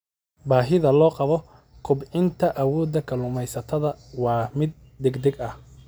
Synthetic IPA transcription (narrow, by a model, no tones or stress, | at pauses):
baːɦɪðɐlɔːqɑβɔ | kʰʊbʕɪnt̪ʰɐʔɐwɔːd̪ɐkʰɐlʊmɛjsɐt̪ʰɐðɐwɑːmɪd̪̚ːɛɡd̪ɛɡɐh